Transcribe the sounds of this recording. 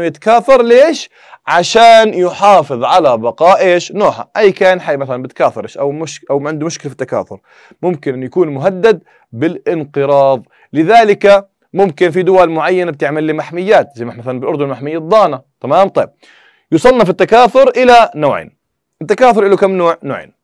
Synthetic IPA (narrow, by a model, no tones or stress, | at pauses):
jɪt̪ḁkaːθɑɾˤleːʃ | ʕaʃaːnjʊħɑːfɨðˤʕalabɑqɑːʔʔeːʃnoːħa̰ʔajːkaːnħajːmaθalanbɪt̪kaːθɑɾˤʔʃʔawmʊʃʔawʕɪnd̪umʊʃkɪlafi̥t̪ːaka̰ːθʊ̰ɾ | mʊmkɪnʔɪnjakuːnmʊɦad̪ːad̪̚ | bɪlʔɪnqɨɾˤɑːðˤ | lɪðaːlɪka | mʊmkɪnfid̪ʊwalmʊʕajːanab̚t̪ɪʕmalːimaħmɪjːaːt̪zajmaħmaθalanbɪlʔʊɾd̪ʊnmaħmɪjːad̪ˤːɑːnat̪amaːmt̪ˤɑjb̚ | jusˤɨlnafit̪ːakaːθʊɾʔɪlanoːʕḛːn | ɪt̪ːakaːθʊɾˤʔɪlːʊkamːnoːʕnoːʕḛːn